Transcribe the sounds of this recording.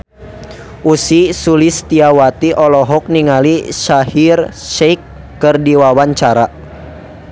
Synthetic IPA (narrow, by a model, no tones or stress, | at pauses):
ʔusisulist̪iawat̪iʔɔlɔɦɔk̚niŋaliʃahirʃɛjkː | ərdiwawaɲt͡ʃaɾa